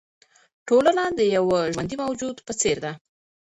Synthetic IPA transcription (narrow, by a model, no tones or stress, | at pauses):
ʈolənad̪əjawaʒwand̪imawd͡ʒud̪pət͡seɾd̪a